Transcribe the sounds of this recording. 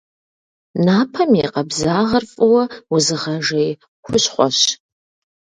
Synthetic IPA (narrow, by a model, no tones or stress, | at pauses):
naːpʰɐmeqɐbzaːʁɐrfʼɐwɐwʊzɨʁɐʒej | xʷʊɕχʷɔ̰ɕ